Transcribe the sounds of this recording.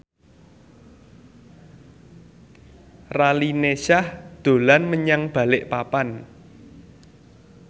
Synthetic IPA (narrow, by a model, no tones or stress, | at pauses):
ralineʃahd̪̥o̤lanməɲaŋb̥a̤lɪʔpapan